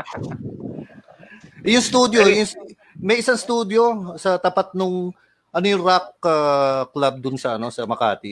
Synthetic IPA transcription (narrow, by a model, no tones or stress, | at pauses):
ʔjʊŋst̪uːd̪jo̞jʊŋs | mɐjʔɪsaŋst̪uːd̪jo̞sɐt̪ɐpat̪̚nʊŋ | ʔɐnojʊŋɾakːaklab̚d̪ʊnsɐʔɐno̞sɐmɐka̰ːt̪ɪ